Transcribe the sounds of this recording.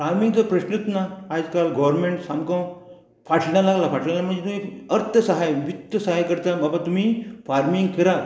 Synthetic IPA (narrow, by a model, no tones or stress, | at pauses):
faɾmiŋɡt͡səpɾəɕnət̪naːd͡zkalɡɔʋəɾmẽɳʈsamkə̃w | faʈʰnalaɡlafaʈʰlalam̤əɳd͡zet̪umiəɾt̪ʰəsəɦajʋit̪ːəsəɦajkəɾt̪ababat̪um̤ifaɾmiŋɡkəɾa